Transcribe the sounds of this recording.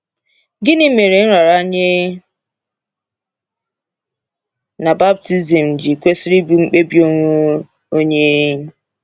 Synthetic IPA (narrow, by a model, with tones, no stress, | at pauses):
ɡɪ˦nɪ˦me˨ɾe˨n̩˦ɾa˨ɾa˦ɲe˦ | na˨ba˦b̚ti˦zi˨m̩˨d͡ʒi˨kʷe˦sɪ˦ɾi˦bu˨˦ŋ͡m̩˦k͡pe˦bi˦o˦ŋʷe˦ | o˦ɲe˦ɲ̩˦